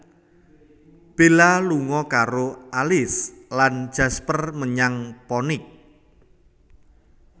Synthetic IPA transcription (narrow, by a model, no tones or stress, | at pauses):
b̥elaluŋɔkaɾoʔalɪslan̥d͡ʒ̥a̤spərməɲaŋpɔnɪk̚